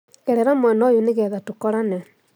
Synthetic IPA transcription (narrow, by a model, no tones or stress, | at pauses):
ɛɾɛɾamwɛnɔjoneɣɛːðatokɔɾanɛ